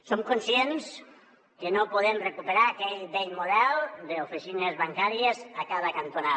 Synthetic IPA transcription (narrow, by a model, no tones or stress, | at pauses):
soŋkonsjens | kenopoðemrekupeɾaɾakeʎdejmoðald̪eofisinezβaŋkaɾjezakaðakant̪ona